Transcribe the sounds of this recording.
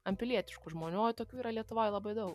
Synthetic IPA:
ɐmʲpʲɪlʲiɛt̪ʲɪʃkʊʒmoːnʲuoːt̪oːkʲuːiːɾɐlʲiɛt̪ʊʋoːjlˠɐbɐɪd̪ɐʊk

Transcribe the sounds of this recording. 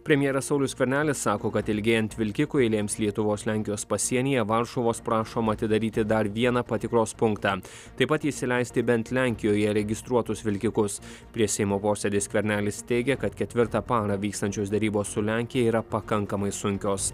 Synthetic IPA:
pʲɾʲɛmʲjeːɾɐsɒʊlʲʊsʲkʲʋʲɛɾʲnʲæːlʲɪsːɑːkoːkɐt̪ɪlʲɡʲeːjɛnʲt̪ʲʋʲɪlʲkʲɪkʊɪlʲeːmslʲiɛt̪ʊʋoːslʲæˑŋʲkʲɪjoːspɐsʲiɛnʲiːjɛʋɐɾʃoʋoːspɾɑːʃoːmɐt̪ʲɪd̪ɐɾʲiːt̪ʲɪd̪ɐɾʋʲiɛnɐpɐt̪ʲɪkɾoːspʊŋkt̪ɑ | t̪ɐɪpɐt̪iʃsʲɪlʲɛɪsʲt̪ʲɪbʲɛnʲt̪lʲæŋʲkʲɪjoːjɛɾʲɛɡʲɪst̪ɾuɔt̪ʊsʋʲɪlʲkʲɪkʊs | pʲɾʲiɛsʲɛɪmoːpoːsʲɛd̪ʲeːskʲʋʲɛɾʲnʲæːlʲɪst̪ʲɛɪɡʲɛkɐt̪kʲɛt̪ʲʋʲɪɾt̪ɑpɑːɾɐʋʲiːkst̪ɐnʲt͡ʃʲoːsd̪ʲɛɾʲiːboːssʊlʲæˑŋʲkʲɪjɛiːɾɐpɐkɐŋkɐmɐɪsʊŋʲkʲoːs

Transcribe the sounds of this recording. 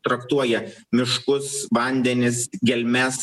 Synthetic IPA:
t̪ɾɐkt̪uɔjɛmʲɪʃkʊsʋɐnʲd̪ʲɛnʲɪsɡʲɛlʲmʲɛs

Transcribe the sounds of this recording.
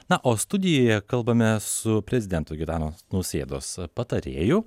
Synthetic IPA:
nɐʔoːst̪ʊd̪ʲɪjoːjɛkɐlˠbɐmʲɛsʊpʲɾʲɛzʲɪd̪ʲɛnt̪oːɡʲɪt̪ɑːnoːsnɐʊsʲeːd̪o̰ːspɐt̪ɐɾʲeːjʊ

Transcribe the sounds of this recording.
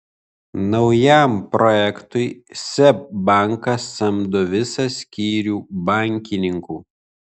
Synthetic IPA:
nɒʊjæˑmpɾʔɔjɛkt̪ʊɪsʲɛp̚bɑˑŋkɐsːɐmd̪ʊʋʲɪsɐsʲkʲiːɾʲuːbɑˑŋʲkʲɪnʲɪŋkuː

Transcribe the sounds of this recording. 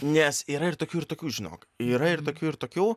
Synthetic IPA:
nʲɛsiːɾɐɪɾt̪oːkʲuːɪɾt̪oːkʲuːʒʲɪno̰ːkiːɾɐɪɾt̪oːkʲuːɪɾt̪oːkʲuː

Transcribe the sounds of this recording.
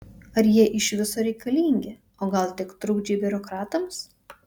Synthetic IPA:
ɐɾjiɛʔɪʃʋʲɪsoːɾʲɛɪkɐlʲiːŋʲɡʲe | oːɡɐlˠt̪ʲɪkt̪ɾʊɡd͡ʒʲeːbʲɪɾokɾɑːt̪ɐms

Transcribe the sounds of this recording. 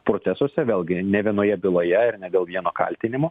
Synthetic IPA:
pɾoːt̪sʲæsoːsʲɛʋʲeːlˠɡʲɪnʲɛʋʲiɛnoːjɛbʲɪlˠoːjɛɪɾnʲɛd̪ʲeːlˠʋʲiɛnoːkɐ̰lʲt̪ʲɪnʲɪmoː

